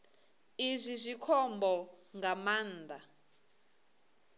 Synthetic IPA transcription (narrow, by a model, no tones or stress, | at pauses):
izʷizʷikʰɔmbɔŋɡamaːnd̪a